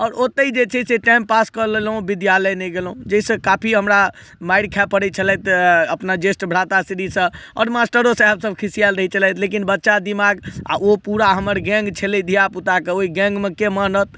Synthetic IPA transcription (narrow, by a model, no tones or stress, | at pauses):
ɔːɾot̪əid͡ʒet͡ʃʰɛseʈãmpːaskəlelɦũbid̪jaləjnɛɡelɦũd͡ʒəisə̃kapʰiɦəmɾa | majɽkʰɛpəɽɛt͡ʃʰəlɛt̪əpnad͡ʒesʈbʱɽ̤at̪asiɾisə̃ɔ̰ːɾmasʈəɾosə̃ɛbsəbkʰisijalɾəɦit͡ʃʰəlɛjt̪ʰlekinbətːʃad̪imaɡa̰opuɾaɦəməɾɡɛ̃ŋɡt͡ʃʰelid̪ʱijaput̪akeoiɡɛ̃ŋɡmekemənət̪̚